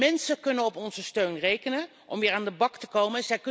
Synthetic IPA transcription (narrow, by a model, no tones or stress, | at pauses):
ɛnsəkɵnənɔpɔnzəstøɥnrejkənə | ʔɔmʋɪːɹaːndəbɑktəkowmənzɛjk